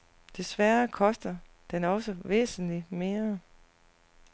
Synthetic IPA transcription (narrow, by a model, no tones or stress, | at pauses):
d̥e̝sʋæɐkʰɒ̽sd̥ɐ | d̥enɒ̽səʋḛːsn̩lime̝ːɐ